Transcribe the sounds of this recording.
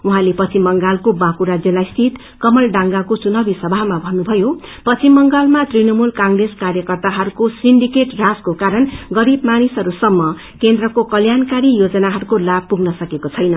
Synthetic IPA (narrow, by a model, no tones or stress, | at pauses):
uɦãlepʌt͡simːʌŋɡalkobakuɾad͡zjʌlajst̪ʰit̪ | kʌmʌlɖaŋɡakot͡sunʌbisʌbʱaɦmabʱʌnubʱʌjopʌimːʌŋɡalmat̪rinʌmulkaŋreskarjʌkʌrt̪aɦʌɾukosinɖikeʈraskokaɾʌnɡʌɾibmanisʌɾusʌmːʌ | kend̪rʌkokʌljankaɾijod͡zʌnaɦʌɾukolab̚puɡnʌsʌkekot͡sʰʌjnʌ